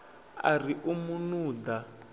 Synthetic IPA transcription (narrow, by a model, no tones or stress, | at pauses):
a̰riʔumunuːd̪a